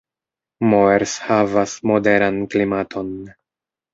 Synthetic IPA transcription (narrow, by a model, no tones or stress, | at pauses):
moeɾshavasmo̞de̞ɾanklimatʰo̞n